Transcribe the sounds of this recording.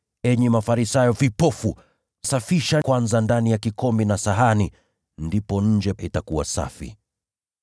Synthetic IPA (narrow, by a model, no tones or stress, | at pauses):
ɛɲɛmafaɾisajɔvipɔfu | safiʃakwanzandanijakikɔmbinasaɦani | ndipɔɲ̩d͡ʒɛitakuwa̰sa̰fḭ